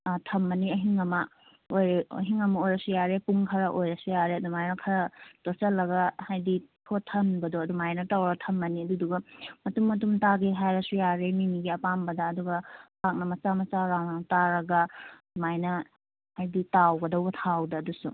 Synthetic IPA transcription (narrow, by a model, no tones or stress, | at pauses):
tʰɐmːɐniɐɦiŋɐmɐ | ojɾeɐ̰ɦiŋɐmɐojɾɐsujaɾepuŋkʰɐɾɐʔojɾɐsujaɾeɐdumajnɐkʰɐɾɐd̥osɐlːɐɡɐhajditʰotʰːɐnbɐdoɐdumajnɐtawɾɐɡɐtʰɐmːɐniɐduduɡɐmɐtumːɐt̬umtaɡeɦajɾɐsujaɾemimiɡiɐpambɐdɐːduɡɐpʰak̚nɐmɐsamɐsaɾawnaŋtaɾɐɡɐ | majnɐ | hajditawɡɐdɐwɡɐtʰawdɐɐdusṵ